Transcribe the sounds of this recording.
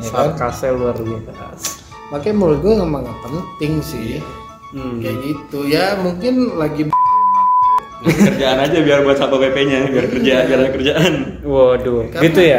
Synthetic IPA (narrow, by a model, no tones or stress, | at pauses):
ekakasɛluarwit̪ata̰s | pakajmolɡojamaŋapənt̪ɪŋsɪ | kajɡit̪ujamuŋkɪnlaɡib | kərd͡ʒaʔanad͡ʒabiarbuat̪̚sapapepeɲabiarkərd͡ʒabiaɾakərd͡ʒaʔanwɔdʊɡit̪uja